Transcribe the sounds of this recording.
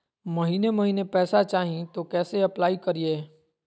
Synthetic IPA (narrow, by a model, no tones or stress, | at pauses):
mɐɦiːnemɐɦiːnepɛːsat͡ʃaːɦĩt̪okɛːseɐplaːikɐɾieː